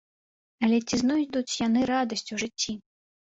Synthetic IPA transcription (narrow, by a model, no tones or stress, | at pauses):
ɐlʲɛt͡sʲiznɔjd̪ut͡sʲjan̪ɨɾad̪ɐsʲt͡sʲuʐɨt͡sʲːi